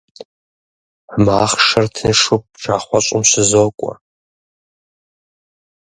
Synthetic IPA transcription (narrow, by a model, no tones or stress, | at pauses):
ħmaːχʂɐrtʰnɨʂʊp̚ʈ͡ʂʰaːχʷɔɕʷʼʊmɕɨzoːkʷʼɔ̰